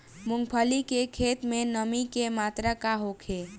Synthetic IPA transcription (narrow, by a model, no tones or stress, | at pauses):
muŋɡpʰəlikekʰet̪menəmikemat̪ɾakaɦokʰe